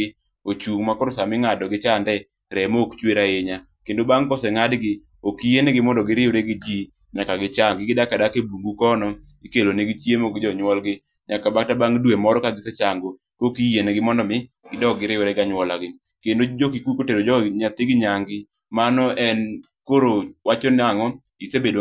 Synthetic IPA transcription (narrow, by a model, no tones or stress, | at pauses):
ot͡ʃuŋmakɔɾʊsamɪŋadɔɡɪt͡ʃandɛ | ɾɛmokt͡ʃweɾaeɲa | kendobaŋkɔsɛŋadɡɪ | okijenɛɡɪmɔndɔɡɪɾɪjoɾeɡɪd͡ʒi | ɲakaɡɪt͡ʃaŋɡɪɡɪdakadakebuŋɡukɔnɔ | ikeloneɡɪt͡ʃjemoɡɪd͡ʒɔɲwɔlɡɪ | ɲakabak̚tabaŋdwemɔɾɔkaɡɪsɛt͡ʃaŋɡo | kokijenɛɡɪmɔndɔmɪ | ɡ̥ɪdɔɡɪɾɪjoɾɛɡaɲwɔlaɡɪ | kendod͡ʒokikukoteɾod͡ʒɔɲat̪ɪɡɪɲaŋɡɪ | manɔʔɛn | koɾowat͡ʃɔnɪaŋɔ | isebedo